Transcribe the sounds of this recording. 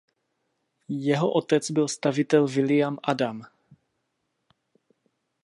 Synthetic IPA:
jɛɦoʔot̪ɛt͡sbɪlst̪avɪt̪ɛlvɪlɪjamʔadam

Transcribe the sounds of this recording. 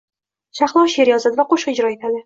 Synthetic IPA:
ʃaχlˠɒwʃe̞ɾjɒzad̪ɪvaqoʃqɨɪd͡ʒɾɒet̪ʰad̪ɪ

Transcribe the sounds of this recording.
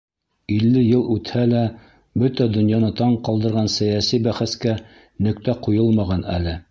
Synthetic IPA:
ilːɘjɤlˠʉt̪hælæ | bɵt̪æd̪ɵ̆njɑnɤt̪ɑɴqɑlˠd̪ɤ̆ɾʁɑnsæjæsibæχæskæ | nɵ̆kt̪æqujɤlˠmɑʁɑnæ̰lɘ

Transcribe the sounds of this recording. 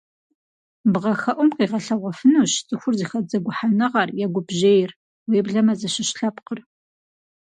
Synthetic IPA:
bʁɐxɐʔʷʊmqiːʁɐɬɐʁʷɔfɨnuːɕt͡sʼɨxʷʊrziːxɐd͡zɐɡʷʊħanɨʁɑrjaɡʷʊbʒeːjɪr | weːbɮɐmɐzɐɕɪɕɬɐpqər

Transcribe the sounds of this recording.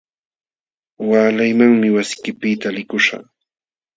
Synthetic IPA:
waːlajmaŋmɪwasɪ̥kɪpɪt̪alɪkʊʃa̰

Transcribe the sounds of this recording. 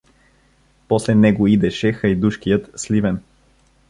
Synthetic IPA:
pɔslɛnɛɡoid̪ɛʃɛxɐjd̪uʃkijət̪slivɛn

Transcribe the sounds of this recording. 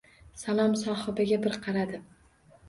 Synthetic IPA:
salˠɒmsɒːhɨbaɡʲabɪɾqʰɑɾad̪ɪ

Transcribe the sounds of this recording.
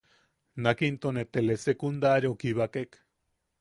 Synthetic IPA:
nakint̪onet̪elesekund̪aɾiokiβakek

